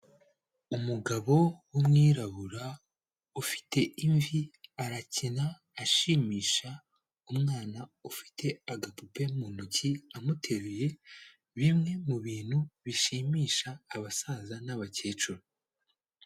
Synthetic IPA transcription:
umuɡaβo̞wumŋiːɾaβuɾa | ufi̥te̞iɱviaɾacinaː | ʃiːmiːʃa | umŋaːnaufi̥tʰe̞aɡapupe̞munuciamutʰe̞ɾuje̞ | βimŋe̞muβiːn̥huβiʃiːmiːʃaːβasazanaβace̞ːt͡ʃuɾo

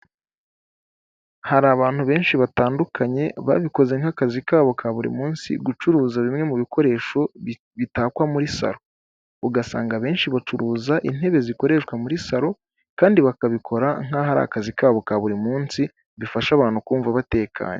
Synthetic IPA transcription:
haɾaːβaːnhuβe̞ːnʃiβataːndukʰaɲe̞βa̰βiko̞ze̞ŋhakazikaːβo̞kʰaβuɾḭmuːnsḭɡut͡ʃuɾuːzaβimŋe̞muβiko̞ɾe̞ːʃo̞ | βitaːkwamuɾisa̰ɾo̞ | uɡasa̰ːŋɡaβe̞ːnʃiβat͡ʃuɾuːzaʔḭn̥he̞βe̞ziko̞ɾe̞ːʃkwamuɾisaɾo̞ | kaːndiβakaβikʰo̞ɾaŋ̥haɦaɾa̰kazikaːβo̞kaβuɾimuːnsi | βifaʃaβaːn̥hukuːɱvaβate̞ːkʰa̰ːɲe

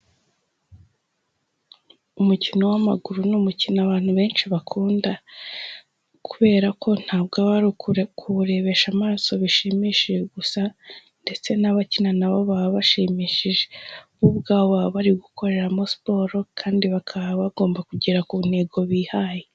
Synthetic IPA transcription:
umucino̞wama̰ɡuɾunumucinaβaːn̥huβe̞ːnʃiβakʰuːnda | kuβe̞ːɾakʰo̞n̥haːb̚ɡoβkʰuβuɾe̞βe̞ʃamaːso̞βiʃiːmiʃiʒeɡusa | nde̞t͡se̞naβacinanaβo̞βaβaʃimiːʃiʒeβubɡaːβaβaɾiɡuko̞ɾe̞ɾamospo̞ːɾo̞kʰaːndiβakʰaβaβaɡo̞ːmbakuɟeɾakun̥heːɡo̞βiːhaːje

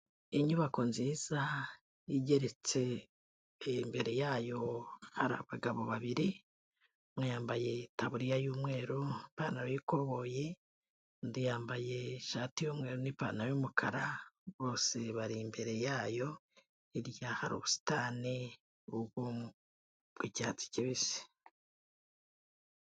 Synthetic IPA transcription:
iɲuβakonziːza | iɟe̞ɾe̞t͡se̞ | mbe̞ɾe̞jaːjo̞haɾa̰βaɡaβo̞βaβiɾi | mwajaːmbaje̞tʰaβuɾijajuːmwe̞ːɾopaːnaɾojiko̞βo̞je̞ | ndijaːmbaje̞ʃaːtijuːmŋe̞ːɾonipa̰ːnajumukʰaɾaβo̞ːse̞βaɾimbe̞ɾe̞jaːjo̞ | iɾjahaɾṵːβusi̥taːni | uβu | bwicaːt͡si̥ciβisi̥

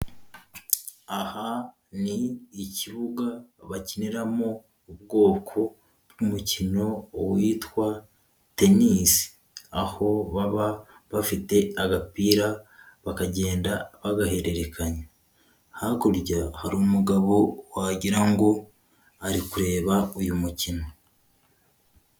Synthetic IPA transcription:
aha | niːciβuɡaβaciniɾamoː | bɡo̞ːkʰo̞ | βɡumucino̞ːwiːtwa | te̞niːsi̥ | aho̞βaβaβafite̞aɡapiːɾaβakaɟe̞ːndaβaɡahe̞ɾe̞ɾe̞kʰaɲa | hakoɾɟahaɾumuɡaβo̞waɟiɾaŋɡo | aɾikuɾe̞ːβaojumucino̞

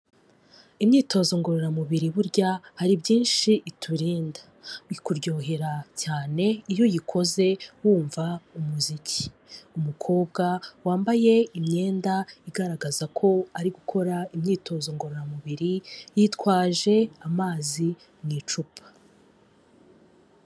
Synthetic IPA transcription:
imɲiːto̞ːzo̞ŋɡo̞ɾoɾamuβiɾiβuɾɟahaɾibɟiːnʃiʔitʰuɾiːnda | ikuɾɟo̞ɦe̞ɾacaːne̞ijo̞jikʰo̞ze̞wuːɱvaumuzicʰi̥ | umukʰo̞ːbɡawaːmbaje̞imɲe̞ːndaiɡaɾaɡazakʰo̞aɾiɡukʰo̞ɾaimɲiːtʰo̞ːzo̞ŋɡo̞ɾoɾamuβiɾijitwaːʒe̞amaːzi | mŋiːt͡ʃupʰḁ

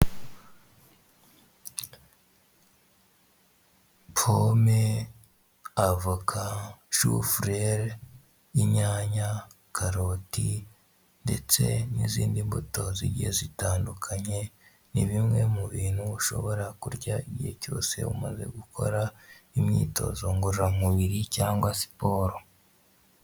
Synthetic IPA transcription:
pʰome | avukʰaʃṵfɾeɾ | iɲɲaːɲa | kʰaɾo̞ti | nde̞̰t͡se̞̰niziːndimboto̞zḭɾiḛzitaːndukʰaɲe̞ | nḭβimŋe̞muβiːn̥huβuʃo̞̰βo̞ɾakuɾɟaɟijḛco̞̰ːse̞̰ṵmaze̞̰ɡukʰo̞̰ɾaimɲiːto̞̰ːzo̞ŋɡuɾamuβiɾicaːŋɡwasi̥po̞ːɾo

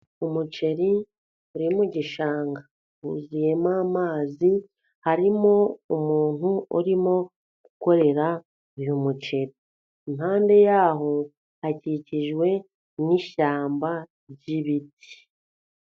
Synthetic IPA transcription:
umut͡ʃe̞ɾi | uɾimuɟiʃaːŋɡa | ṵzije̞maːmaːzi | haɾimo̞umuːn̥huoɾimo̞ | ɡ̥uko̞ɾe̞ɾa | ujumut͡ʃe̞ɾi | mhaːnde̞jaːɦo | haciciʒɡwe̞ | niʃaːmba | ɾɟiβitʰi̥

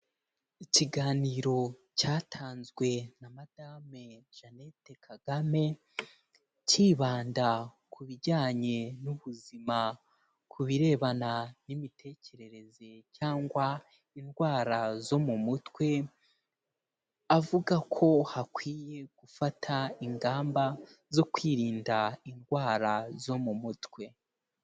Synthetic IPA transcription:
iciɡaːniːɾo̞ | caːtʰaːnzɡwe̞namad̥ameʒ̥ane̞te̞kʰaɡ̥ame̞ | ciːβaːnda | kʰuβiɟaːɲe̞nuβuzima | kʰuβiɾe̞βananimitʰe̞ːce̞ɾe̞ɾe̞ze̞caːŋɡwa | inɡwaːɾazo̞mumutwe̞ | avuɡakʰo̞hakwiːje̞ɡ̥ufatʰaiŋɡaːmbazo̞kwiːɾiːndainɡwaːɾazo̞mumutwe̞

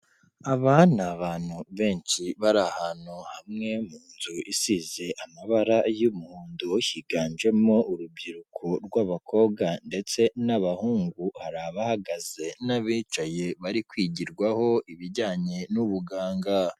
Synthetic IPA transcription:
aβanaβaːnhuβe̞ːnt͡ʃiβaɾahanuhamŋe̞muːnzuisize̞ʔamaβaɾajumuhuːnduhiɡaːnd͡ʒe̞mo̞ʔuɾub̚ɟiɾukʰoɾɡwaβakʰo̞ːbɡande̞t͡se̞naβahuːŋɡuhaɾaβahaɡaz̥e̞naβiːt͡ʃaje̞βaɾikwiːɟiɾɡwaho̞iβiɾɟaːɲe̞nuβuɡaːŋɡa

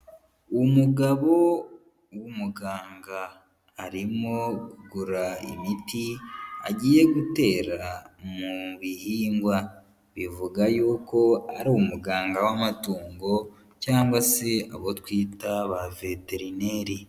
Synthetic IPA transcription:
umuɡaβo̞ | wumuɡaːŋɡaː | ɾimo̞ɡuɡuɾaḭmitiaɟiːje̞ɡute̞ːɾamuβihiːŋɡwa | βivuɡajuːko̞a̰ɾumuɡaːŋɡawamatuːŋɡo̞ | caːŋɡwase̞aβo̞twiːtaβave̞te̞ɾineːɾi

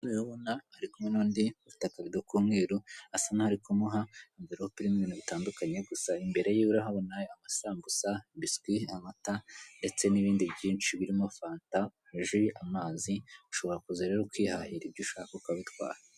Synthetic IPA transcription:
nujuβunahaɾikumonuːndiufi̥takaβidokuːmŋweːɾuasanahaɾikomuɦaːɱviɾahopiɾiminiβitaːndukaɲe̞ɡusaimbe̞ɾe̞jiuɾahaβonajoamasaːmbusabiskwiamatande̞t͡se̞niβiːndiβɟiːnt͡ʃiβiɾimofaːnta | aʒiamaːziuʃo̞βo̞ɾakuzeɾeɾokwiːhahiɾibɟuʃaːkokaβitkwa̰ːɾa

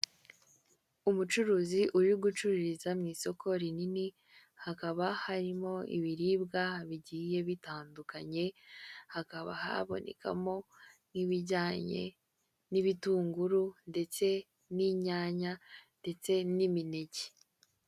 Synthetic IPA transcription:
umut͡ʃuɾuːziʔuɾiɡut͡ʃuɾiɾizamŋiːso̞ko̞ɾinini | hakaβahaɾimo̞ḭβiɾiːbɡaβiɟiːje̞βitaːndukaɲe̞hakaβa̰ha̰βo̞̰ne̞̰ka̰mo̞niβiɟaːɲe̞̰ | niβituːŋɡuɾunde̞t͡se̞ | niɲaːɲande̞t͡se̞nimine̞ɟe̥

